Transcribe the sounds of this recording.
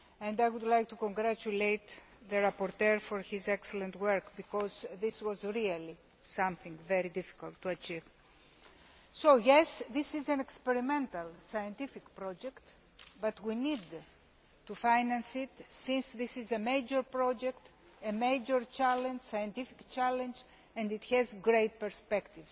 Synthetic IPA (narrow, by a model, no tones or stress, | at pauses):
ẽnd̪ajwud̪lajk̚t̪ukõŋɡɾat͡ʃulejt̪ | ðəɾapoɾt̪eɹfoɾhizɛkselẽnt̪wɜɾkbikɔzðiswɔzɹiali | sãmθĩŋɡveɾid̪ifi̥ka̰lt̪ːuat͡ʃiv | sojɛsðisizãnekspeɾimẽnt̪ɐlsajə̃nt̪ifikpɾɔd͡ʒekt̪ | bat̪winid̪ | tufajnãnsit̪sĩnsðisizemejd͡ʒəɾpɾɔd͡ʒekt̪ | emejd͡ʒəɾt͡ʃalẽnd͡ʒsajẽnt̪ifi̥kt͡ʃalẽnd͡ʒ | ɛ̃nd̪it̪hɛzɡɾet̪̚pɛɾspɛkt̪iv